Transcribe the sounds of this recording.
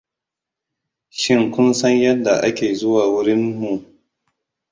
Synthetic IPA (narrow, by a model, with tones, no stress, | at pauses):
ʃɪ˦ŋkʷʊ˦nsɐ˦ɲjɐ˦dːa˨ʔa˦kʲeː˨zʊ˦waː˨wʊ˦ɾɪ˦nmu˨ʔ